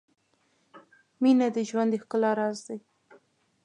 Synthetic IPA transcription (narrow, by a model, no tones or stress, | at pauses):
minad̪əʒwand̪əxkəlɑɾɑzd̪aj